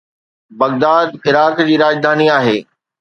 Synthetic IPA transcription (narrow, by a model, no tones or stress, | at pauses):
bɐɣd̪aːd̪ɪɾaːkd͡ʑiːɾaːd͡ʑd̪ʱaːniaːɦeː